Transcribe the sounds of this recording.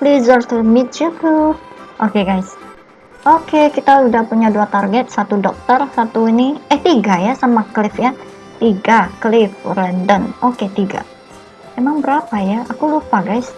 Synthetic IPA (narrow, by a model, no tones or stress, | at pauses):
plizərt̪əmit̪̚t͡ʃutuʔokeɡajs | ʔokekit̪audahpuɲaduat̪arɡɛt̪̚sat̪udɔk̚t̪ərsat̪uiniɛht̪iɡajasamaklɪfja | t̪iɡaklɪfrɛndənoket̪iɡa̰ | memaŋbəɾapajaakulupaɡajs